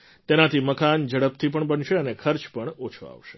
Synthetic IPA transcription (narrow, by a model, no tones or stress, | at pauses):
t̪enat̪ʰiməkand͡ʒəɽəpt̪ʰip̬əɳbənʃeənekʰəɾt͡ʃpəɳot͡ʃʰo̰a̰ʋʃe̥